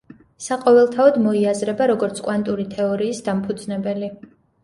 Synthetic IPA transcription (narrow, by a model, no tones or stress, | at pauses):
saqʼɔvɛlˠt̪ʰaɔd̪mɔiazɾɛbaɾɔɡɔɾt̪sʰkʼwant̪ʼuɾit̪ʰɛɔɾiːsd̪ampʰud̪znɛbɛli